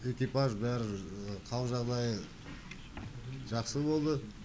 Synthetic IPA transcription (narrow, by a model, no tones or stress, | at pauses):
e̞kʲipaʒbæɾɪqʰɑwʒɑʁd̪ɑjə | ʒɑqsəbo̞lˠd̪ə